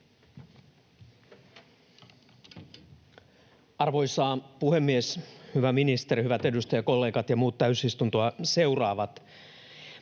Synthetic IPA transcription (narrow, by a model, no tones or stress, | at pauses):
ɑrʋo̞jsɑːpuhe̞mːieshyʋæminist̪e̞ɾihyʋæt̪e̞dust̪ɑjɑko̞lːe̞ːkɑt̪jɑmuːt̪t̪ːæysist̪unt̪oɑse̞urɑːʋɑt̪